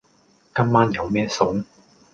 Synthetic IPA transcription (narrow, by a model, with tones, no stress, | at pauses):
kɐ˥mːaː˥njɐ˨˧wmɛː˥sʊ˨˥ŋ